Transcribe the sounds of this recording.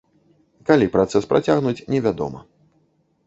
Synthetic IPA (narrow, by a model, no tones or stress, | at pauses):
kalʲipɾat̪sɛspɾat͡sʲaɣnut͡sʲnʲɛvʲad̪ɔ̰mɐ̰